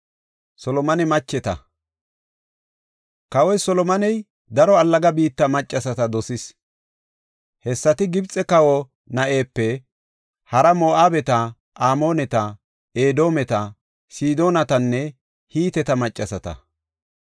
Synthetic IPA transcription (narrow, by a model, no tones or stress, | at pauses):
sɔlɔmɐnɛmɐt͡ʃːɛt̪ɐ̰ | kɐwɔjsɔlɔmɐnɛj | d̪ɐɾɔɐlːɐɡɐbiːt̪ːɐmɐt͡ʃʼːɐsɐt̪ɐd̪ɔsɪs | hɛsːɐt̪ɪɡɪbt͡sʼɛkɐwɔ | nɐʔe̞ːpːɛ | hɐɾɐmoːʔaːbɛt̪ɐ | ʔaːmo̞ːnɛt̪ɐ | eːd̪o̞ːmɛt̪ɐ | siːd̪o̞ːnɐt̪ɐnːɛ | hiːt̪ɛt̪ɐmɐt͡ʃʼːɐsɐt̪ɐ̰